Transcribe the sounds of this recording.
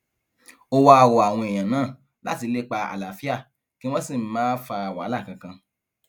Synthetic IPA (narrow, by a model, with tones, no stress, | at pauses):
o˧wa˧a˧wo˨a˨w̃ɔ̃˧e˨j̃ã˨nãː˦˨ | la̰˦ti˧le˦k͡pa˧a̰˨la˨fi˦a˦˨ | ki˦w̃ɔ̃˦sĩ˦˨˦mãː˦fa˧a˨wa˨˦la˦˨kã˧kã˧